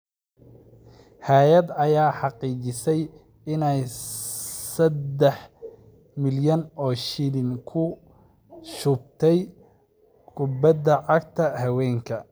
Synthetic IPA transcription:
hɛːjɐd̪ɐjaːħɑqiːt͡ʃɪsɛj | ɪnɛj | sɐd̪ɛħ | mɪljɐnɔːʃɪlɪŋkʰʊ | ʃʊb̚t̪ʰɛj | kʰʊbɐd̪ɐʕɑɡ̚t̪ʰɐhɐwɛːŋkʰɐ

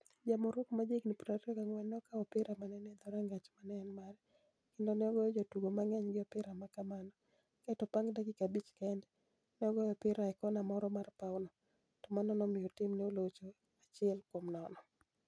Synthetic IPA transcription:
d͡ʒamoɾwokmad͡ʒeknipuɾaɾɔkaŋwɛnɔkaɔpɪɾamanɛnɛd̪ɔɾaŋɡat͡ʃmanɛnmaɾ | kɪndonɛɔɡɔjɔd͡ʒotuɡomaŋɛɲɡɪɔpɪɾamakamanɔ | katɔpaŋdaɡɪkabit͡ʃkaɛndɛ | nɛɔɡɔjɔpɪɾaɛkɔnamɔɾɔmarpaʊnɔ | tɔmanɔnɔmɪjɔtɪmneolot͡ʃo | at͡ʃɪɛlkwomnɔnɔ

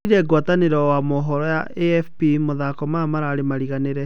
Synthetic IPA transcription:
iɾɛɡwataneɾɔwamɔɦɔɾɔjaʔeɛfpimoðakɔmamaɾaːɾemaɾiɣaneɾɛ

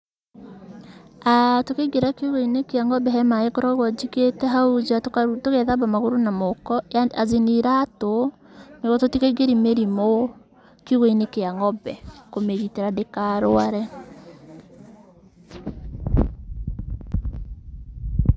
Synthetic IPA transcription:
atokeɡeɾakiuɣoinekeaŋɔbɛɦɛmaekɔɾɔɣwɔd͡ʒiketɛɦaud͡ʒatokatoɣɛðaβamaɣoɾonamokɔjaaziniɾato | neɣɔtotikeɡeɾimeɾimo | kiuɣoinekeaŋɔbɛkomeɣiteɾadekaɾoaɾɛ

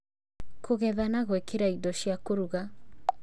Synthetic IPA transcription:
kʰoɣɛðanaɣwekeɾaidɔʃiakoɾuɣa

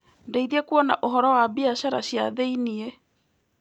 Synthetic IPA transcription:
ndeiðiɛkuɔna̰ʔoɦɔɾɔwabiaɕaɾa̰ɕja̰ðeinie

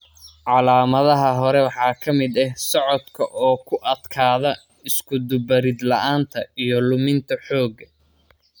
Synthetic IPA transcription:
ʕɑlaːmɐðɐɦɐɦɔɾɛwɑħɑːkʰɐmɪd̪ɛhsɔʕɔd̪kʰɐʔɔːkʰʊʔɐd̪kʰaːðɐ | ɪskʰʊd̪ʊbɐɾɪd̪lɐʔaːnt̪ʰɐijɞlʊmɪnt̪ʰɐħɔːɡɐ

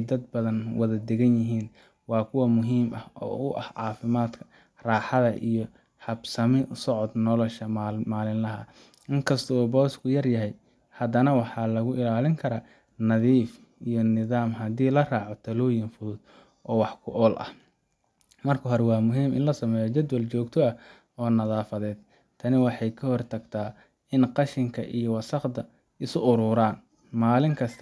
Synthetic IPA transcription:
ɛjd̪ɐd̪̚bɐðɐnwɐðɐd̪ɛɣɐnjɪɦiːn | wɑːkʰʊwɔmʊɦiːmʔɐhɔ̰ːʊʔɐhʕɑːfɪmaːd̪kʰɐ̥ | raːħɑðɐʔijɔ | hɐbsɐmɪsɔʕɔd̪nɔlɔʃɐmaːlɪnlɐɦɐ | ʔɪŋkʰɐst̪ʰɔɔːbɔːskʰʊjɐrjɐɦɛj | hɐd̪ɐnɐwɑħɑlɐɣʊʔɪlaːlɪŋkʰɐɾaː | nɐðiːf | ijɔnɪðaːmɦɐd̪iːlɐraːʕɔt̪ʰɐluːjɪnfʊðʊd̪̚ | ʔɔːwɑħkʰʊʔɔːlʔɐ̰h | mɐrkʰɐɦɔɾwɑːmʊɦiːmɪ̰nlɐsɐmɛːjɔt͡ʃɐd̪wɐlt͡ʃɔːɡt̪ʰɔɐ | ɔːnɐðaːfɐðɛːd̪̥̚ | t̪ʰɐnɪwɑħɑjkʰɐhɔrt̪ʰɐɡt̪ʰaː | ɪnqɑʃɪŋkʰɐ̰ʔijɔwɑsɑqd̪ɐ | ɪsʊʔʊɾʊːɾaːn | maːlɪŋkʰɐst̪ʰ

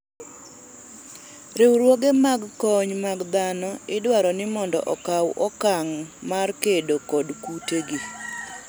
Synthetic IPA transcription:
ɾɪwɾwoɡemaɡkɔɲmaɡd̪anɔɪdwaɾɔnɪmɔndɔ̰ʔɔkawʔɔkaŋmarkedokɔdkuteɡi

